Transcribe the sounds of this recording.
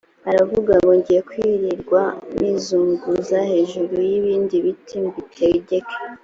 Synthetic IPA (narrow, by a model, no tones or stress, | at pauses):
aɾavuɡaŋɡoɲɟijekwiɾiɾɡwamizuːŋɡuzahe̞ːʒuɾujiβiːndiβitʰimbitʰeɾiɟe̞kʰe̥